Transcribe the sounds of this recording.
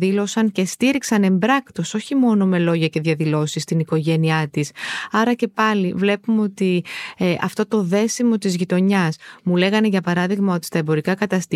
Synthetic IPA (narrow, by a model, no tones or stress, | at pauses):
ilo̞sɐŋce̞st̪iɾiksɐne̞mbɾɐkt̪o̞so̞çimo̞no̞me̞lo̞ʝɐce̞ðʝɐðilo̞sist̪iniko̞ʝe̞niɐt̪isɐɾɐce̞pɐlivle̞pumeo̞t̪iʔɐ̰ft̪ot̪o̞ðe̞simo̞t̪izʝit̪o̞ɲɐsmule̞ɣɐne̞ʝɐpɐɾɐðiɣmɐo̞t̪i̥st̪ɐebo̞ɾikɐkɐt̪ɐst̪